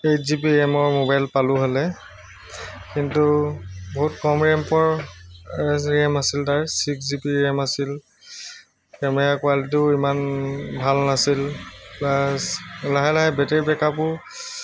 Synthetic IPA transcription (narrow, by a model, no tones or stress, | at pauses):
ejzipiɛmɔɹmobajlpalʊɦɔlɛ | kintubɔɦutkɔmɹɛmpɔɹ | ɹɛmasiltaɹsikzipiɹɛmasil | kɛmɛɹakwalit̬uʊimanbʱalnasillaslaɦɛlaɦɛbɛtɛɹbɛkapʊɹ